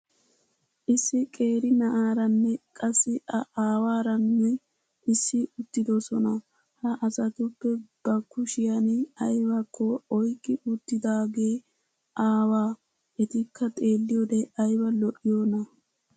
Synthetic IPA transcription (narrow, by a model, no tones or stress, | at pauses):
ʔɪsːɪkʼe̞ːɾɪnɐʔaːɾɐnːɛkʼɐsːɪɐʔaːwaːɾɐnːɛ | ʔɪsːɪʊt̪ːɪd̪ɔsɔnɐ | hɐʔɐsɐt̪ʊpːɛb̥ɐkːʊʃɪjɐnɪɐjwɐkʰːɔɔjkʼːɪʔʊt̪ːɪd̪aːɡe̞ː | ʔaːwaː | ɛt̪ɪkʰːɐt̪ʼe̞ːlːɪjoːd̪ɛʔɐjwɐlɔʔɪjoːnɐ